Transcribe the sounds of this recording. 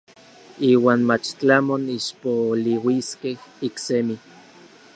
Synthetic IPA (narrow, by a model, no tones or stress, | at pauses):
iːwaːnmat͡ʃt͡ɬamoniʃpoliwiskehiksemi